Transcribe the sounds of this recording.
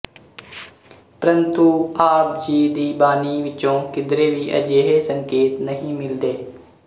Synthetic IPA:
pɾənt̪ũːaːpd͡ʒiːd̪iːbaːniːʋɪt͡ʃõːkɪd̪ɾeːʋiːʔə̰d͡ʒeːɦeːsəŋkeːt̪nəɦĩːmɪld̪eː

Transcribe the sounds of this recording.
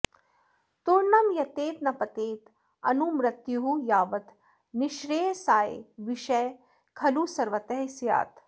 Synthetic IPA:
t̪uɾnɐmjɐt̪eːt̪nɐpɐt̪eːt̪ | ɐnumɾɐt̪juɦujaːʋɐt̪ | niʃɾeːsaːḛʋiʃɐj | kʰɐlusɐɾʋɐt̪eɦsja̰ːt̪

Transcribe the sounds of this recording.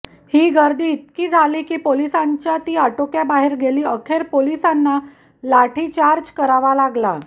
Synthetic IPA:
hiːɡəɾd̪iːt̪̚kiːd͡zʱaliːkiːpolisaɲt͡ɕjat̪iːaʈokjabaɦeɾɡeliːəkʰeɾpolisanːa | laʈʰiːt͡ɕaɾd͡ʑkəɾaʋalaɡla̰

